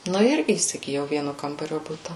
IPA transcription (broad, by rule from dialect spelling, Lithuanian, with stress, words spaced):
ˈnʊ ɪr iːsʲɪɡʲɪˈjɛʊ ˈʋʲiɛnʊ ˈkɐmbɐrʲoː ˈbʊtɐ